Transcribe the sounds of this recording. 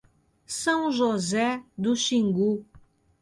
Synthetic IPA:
sɐ̃w̃ʒozɛd̪uʃĩŋɡu

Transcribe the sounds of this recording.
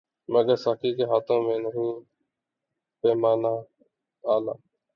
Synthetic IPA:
məɡəɾsaːkiːkeːɦaːt̪ʰõːmẽːnəɦuː | peːmaːnaː | aːla̰ː

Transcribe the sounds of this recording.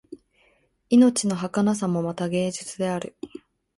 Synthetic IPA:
ino̞t͡ɕino̞ɦakanas̬amo̞mat̪aɡe̞ːʑit͡sɨd̪e̞aɾɯ̟

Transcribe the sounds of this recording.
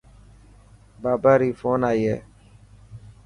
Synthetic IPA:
baːbaːɾiːfoːnaːiːḛː

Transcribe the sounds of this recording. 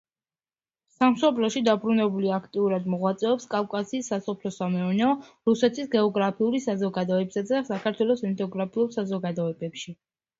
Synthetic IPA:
samsɔpʰlɔʃid̪abɾunɛbuliakʰt̪ʼiuɾad̪mɔʁwat̪sʼɛɔpskʼavkʼasiːsːasɔpʰlɔsamɛɔɾnɛɔɾusɛt̪ʰisɡɛɔɡɾapʰiulisazɔɡad̪ɔɛbsaasakʰaɾt̪ʰwɛlˠɔsɛnt̪ʰɔɡɾapʰiulˠsazɔɡad̪ɔɛbɛpʃi

